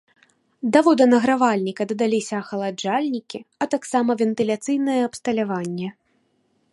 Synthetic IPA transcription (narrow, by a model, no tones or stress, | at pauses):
d̪avɔd̪ɐnɐɣɾavalʲnʲikɐd̪ɐd̪alʲisʲɐːxɐlˠad͡ʒalʲnʲikʲiɐt̪aksamɐvʲɛnt̪ɨlʲat̪sɨjnɐjɛɐpst̪ɐlʲavanʲːɛ